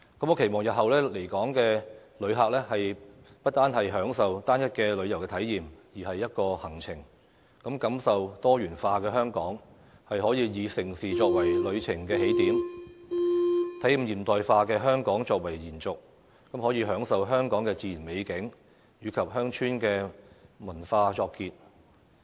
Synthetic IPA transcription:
kɐ˨˥mo˨˧kʰe˨˩jmɔː˨˩ŋjɐ˨t̚hɐ˨wlɛː˥le˨˩jkɔː˨˥ŋkɛː˧lɵ˨˧ɥɦaː˨k̚lɛː˥hɐ˨j | pɐ˥t̚t̪aː˥nhɐ˨jɦœː˨˥ŋsɐ˨wt̪aː˥njɐ˥t̚kɛː˧lɵ˨˧ɥjɐ˨˩wkɛː˧t̪ʰɐ˨˥jːiː˨mjiː˨˩hɐ˨jːɐ˥t̚kɔː˧hɐ˨˩ŋt͡sʰɪ˨˩ŋ | kɐ˨˥mkɐ˨˥msɐ˨wt̪ɔː˥jyː˨˩nfaː˧kɛː˧hœː˥ŋkɔː˨˥ŋ | hɐ˨jɦɔː˨˥jiː˨˧jiː˨˧sɪ˨˩ŋsiː˨t͡ʃɔː˧k̚wɐ˨˩jlɵ˨˧ɥt͡sʰɪ˨˩ŋkɛː˧he˨˥jt̪iː˨˥m | t̪ʰɐ˨˥j̩˨mjiː˨˩mt̪ɔː˨jfaː˧kɛː˧ɦœː˥ŋkɔː˨˥ŋt͡ʃɔː˧k̚wɐ˨˩jjiː˨˩nt͡sʊ˨k̚ | kɐ˨˥mhɔː˨˥jiː˨˧ɦœː˨˥ŋsɐ˨wɦœː˥ŋkɔː˨˥ŋkɛː˧t͡siː˧jiː˨˩nme˨˧jkɪ˨˥ŋ | jyː˨˧kʰɐ˨p̚ɦœː˥ŋt͡ʃʰyː˥nkɛː˧mɐ˨˩nfaː˧t͡ʃɔː˧kːiː˧t̚

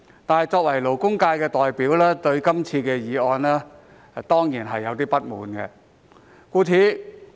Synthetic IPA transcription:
t̪aː˨nhjt͡sɔː˧k̚wɐ˨˩jlo˨˩wkʊ˥ŋkaː˧jkɛː˧t̪ɔː˨jpiː˨˥wlɛː˥t̪ɵ˧ɥkɐ˥mt͡sʰiː˧kɛː˧jiː˨˧ɔː˧nlɛː˥˨ | t̪ɔː˥ŋjiː˨˩nɦɐ˨jːɐ˨˧wt̪iː˥pɐ˥t̚muː˨˥nkɛ̰ː˧ | kuː˧t͡sʰiː˧

